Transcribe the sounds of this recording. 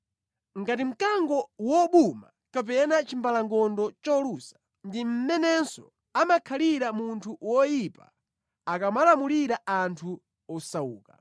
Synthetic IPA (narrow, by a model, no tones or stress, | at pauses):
ŋɡatim̩kaŋɡɔwɔɓuma̰ | kap̬ɛnat͡ʃimbalaŋɡɔndɔt͡ʃɔlusḁ | ndim̩mɛnɛnsɔ̰ | amakʰaliɾamuntʰuwɔjipa | akamalamuliɾaʔantʰu | ɔsauːka